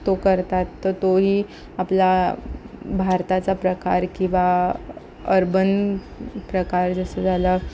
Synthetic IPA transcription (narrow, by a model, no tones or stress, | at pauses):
t̪okəɾt̪at̪ːət̪oɦiː | apla | bʱaɾt̪at͡sapɾəka̰ɾkĩw̃ʋa | əɾbən | pɾəkaɾd͡zəsəd͡zʱalə